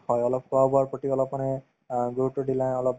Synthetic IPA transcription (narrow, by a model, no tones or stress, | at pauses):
hɔjɔlɔp̚kuabɔaɹpɹɔtiɔlɔpmanɛ | ɡuutːɔɹdilãɔlɔp̚